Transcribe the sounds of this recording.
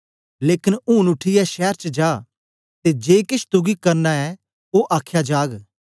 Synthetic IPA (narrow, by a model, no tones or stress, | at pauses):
leːkɪnũːnʊʈʰiɛʃɛːɾt͡ʃəd͡ʒaː | t̪ed͡ʒeːkɪʃʰt̪ʊɡikəɾnaːɛ | oːʔaːkʰjaːd͡ʒaːɡ